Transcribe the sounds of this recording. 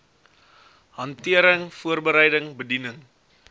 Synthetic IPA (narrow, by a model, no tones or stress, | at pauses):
ɦɐntiəɾəŋfuərbəɾəjdəŋbədinəŋ